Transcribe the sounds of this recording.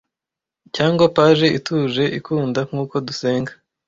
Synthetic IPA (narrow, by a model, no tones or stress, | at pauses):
caːŋɡwapaʒe̞ituːʒe̞ʔikuːndaŋ̥ŋuːko̞duse̞ːŋɡḁ